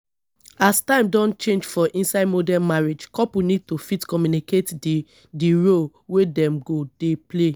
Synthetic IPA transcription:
astãɪ̃mdɔ̃nt͡ʃẽnd͡ʒfɔʔĩnsaɪdmodɛnmaɹed͡ʒkɔpunid̚tofitkɔmjuniket | diɹol | wedɛ̃mɡodeple

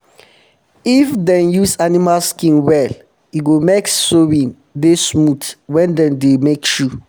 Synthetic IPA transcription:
ifdɛ̃njusanimalskĩnwɛl | iɡomeksowĩn | desmutwɛ̃ndɛ̃ndemekʃu

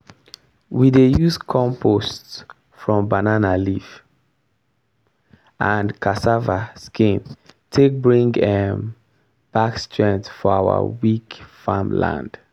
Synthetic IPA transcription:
widejuskʰɔ̃mpʰosts | fɹɔ̃mbananalif | ʔãnkʰasavaskʰĩntʰek̚bɹĩŋɡɛm | b̥akstʰɹɛ̃nsfɔawə̰wikfa̰mlã̰nd̥

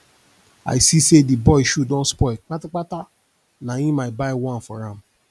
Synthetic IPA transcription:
a̰isisedibɔiʃudõnspɔik͡patak͡pata | nãjĩmabaiwãnfɔɾãm

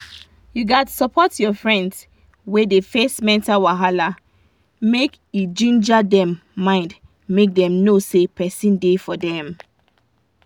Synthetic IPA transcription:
juɡatsɔpɔtjɔfɹɛ̃nds | wedefɛstmɛ̃ntawaɦala | mek | id͡ʒĩnd͡ʒadɛ̃mːãɪ̃nd | mek̚dɛ̃mnosepɛsĩndefɔdɛ̃m

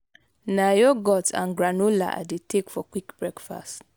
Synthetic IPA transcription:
najoɡɔtã̰nɡɾanola̰ʔa̰detʰekfɔkwikbɹɛkfa̰st

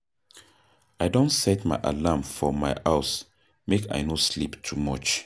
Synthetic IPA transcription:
aɪdõntsɛtmaɪʔa̰lamfɔmaɪʔaʊs | mekʰa̰ɪnosliptʰumɔt͡ʃ

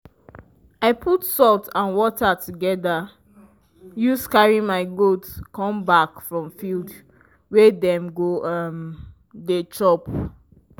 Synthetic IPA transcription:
aɪpʰutsɔltãnwɔtʰatʰuɡɛda | juskaɹĩmaɪɡotskɔ̃mbakfɹɔ̃mfild | wɛdɛ̃mɡoʌm | det͡ʃɔp

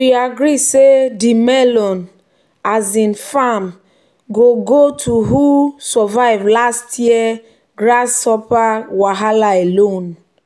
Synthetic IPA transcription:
wiaɡɾisedimɛlɔn | azĩnfam | ɡoɡotʰuɦusɔvaɪvlastʰjiɛ | ɡɹasɔpawaɦalaelõn

